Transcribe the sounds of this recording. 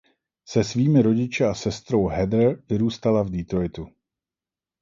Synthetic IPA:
sɛsviːmɪɾo̞ɟɪt͡ʃɛasɛst̪ɾo̞wɦɛd̪vɪɾuːst̪alavdɪt̪ɾojt̪u

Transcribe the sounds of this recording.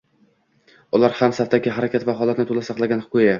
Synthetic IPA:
ʊlaɾhamsaft̪ʰakʲɪɦaɾakʲʰat̪vaɦɒlˠat̪nɪt̪ʰolasɑqlˠaɡʲanhʊqʊja

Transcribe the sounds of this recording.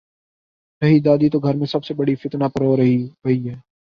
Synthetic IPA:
sɐɦid̪aːd̪it̪oɡʱɐɾmẽsɐbsebəɽifɪt̪napəɾɦoːɾɐɦiɦɐɦiɦɛː

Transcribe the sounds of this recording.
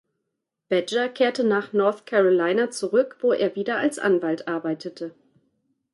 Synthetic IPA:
b̥ɛd͡ʒɐkʰeːɐtənaːχnɔɐθkʰɛʁolaɪnat͡suʁʏkv̥oːʔeːɐviːdɐʔalsʔa̰nvaltʔaɐbaɪtʰətə

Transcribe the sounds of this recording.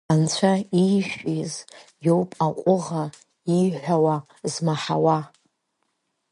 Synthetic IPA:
ant͡ɕʷʰaiʃʷᶣiz | jowpʼaqʷʼʊʁa | iħʷᶣawa | zmaħawa

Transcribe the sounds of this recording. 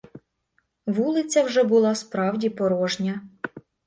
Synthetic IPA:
ʋulˠɪt͡sʲɐwʒɛbʊlˠɑspɾɑwdʲipɔɾɔʒnʲɐ

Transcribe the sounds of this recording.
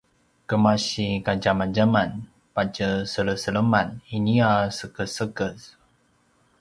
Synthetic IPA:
kəmaɕikad͡ʒamand͡ʒaman | pat͡ʃəsəɾəsələmaniniasəkəsəkəs

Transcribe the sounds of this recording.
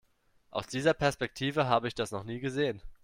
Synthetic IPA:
ʔa̰ʊsd̥iːzɐpʰɛɐspɛk̚tʰiːvəɦaːbəɪçd̥asnɔχniːɡəzeːən

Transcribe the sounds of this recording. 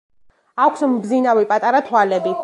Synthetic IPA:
akʰsmbzinavipʼat̪ʼaɾat̪ʰwalɛbi

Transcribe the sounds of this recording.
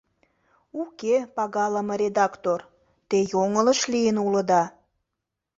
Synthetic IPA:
ukepɑɣɑləməɾʲed̪ɑkt̪or | t̪ejoŋələʃlijənuləd̪ɑ

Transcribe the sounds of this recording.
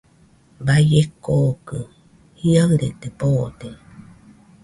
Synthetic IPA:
bajekokɯ | hiaŋɾet̪epod̪e

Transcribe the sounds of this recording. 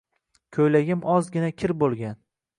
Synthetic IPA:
kʲʰojlaɡʲɪmɒzɡʲɪnakʲʰɪɾbolˠɡʲan

